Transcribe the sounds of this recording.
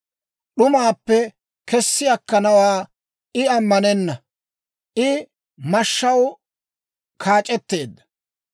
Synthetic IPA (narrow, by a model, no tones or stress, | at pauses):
ɗʊmaːpːɛ | kɛsːɪjɐkːɐnɐwaː | ʔɪɐmːɐnɛnːɐ | ʔɪ | mɐʃːɐw | kʰaːt͡ʃʼɛt̪ːe̞ːd̪ːɐ̥